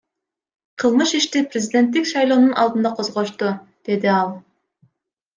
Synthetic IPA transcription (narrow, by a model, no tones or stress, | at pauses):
qʰɯlˠmɯʃiʃt̪ɪprʲezʲid̪ʲe̞nt̪ːikʲʃɑjlˠoːnunʔɑlˠd̪ɯnd̪ɑqʰozʁoʃt̪ud̪̥e̞d̪ɪɑlˠ